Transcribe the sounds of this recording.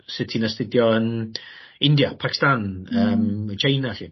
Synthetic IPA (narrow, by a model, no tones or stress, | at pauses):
sɪtʰinastɪdjɔən | ɪndjapʰakʰɪ̥stanəːmət͡ʃʰejnaɬḭː